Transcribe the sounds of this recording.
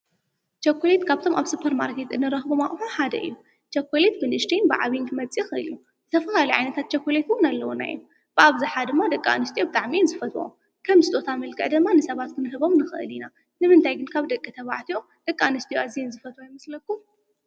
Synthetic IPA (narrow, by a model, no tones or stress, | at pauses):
t͡ʃʰɐkʰːolet̪kʰaβt̪ʰo̞maβsupʰɐɾma̰ɾkʰe̞t̪ɨnːɨɾɐxbomaχʼħoħad̪ɐ̰ʔɨ̰jːu | t͡ʃɐkʰːolet̪̚bɨnɨʃt̪ʰinbɨ̰ʕa̰βiŋkmɐt͡sʼixɨʔɨ̰liju | zɨt̪ʰɐfɐlalɐjʕa̰jnɐt̪ʰat̪̚t͡ʃʰɐkʰːolet̪wʊnalːɐwuna̰jom | b̥ɨʔaβzɨħad̪ɨmːad̪ɐkʼːa̰nɨst̪ʰijobɨt̪ʼaʕminzɨfɐt̪o̰ | kʰɐmsɨt̪ʼo̞t̪ʰamɨlkʰʼɨ̰ʕd̪ɨmːanɨsɐβat̪kʰɨnɨɦɨβo̞mnɨxɨʔɨ̰lina | nɨmɨnt̪ʰajɡɨnkʰaβd̪ɐkʼːit̪ʰɐβaʕt̪ʰio | d̪̥ɐkʼːanɨst̪ʰijoʔazienzɨfɐt̪ʰwojɪmɐslɐkːum